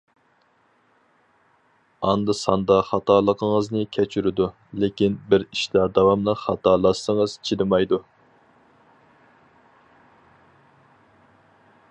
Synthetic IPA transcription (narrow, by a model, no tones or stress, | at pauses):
ɑnd̪ɨsɑnd̪ɑχɑt̪ʰɑlˠəqʰəŋəznɨkʲʰɛt͡ʃʰyɾɪd̪u | lɪkʲinbɪɾiʃlæɾd̪ɑwɑmlˠəχɑt̪ɑlˠɑsəŋəz̥t͡ʃʰid̪ɨmɑjd̪u